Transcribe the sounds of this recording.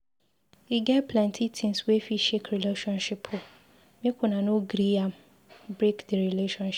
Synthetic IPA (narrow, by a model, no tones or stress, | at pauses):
iɡɛpʰlɛ̃ntʰitʰĩnswefiʃekɾileʃɔ̃nʃɪpʰhʊ | mĩkʰʊnãnʊ̃ɡɾiãm | bɾekdɪɾileʃɔ̃nʃ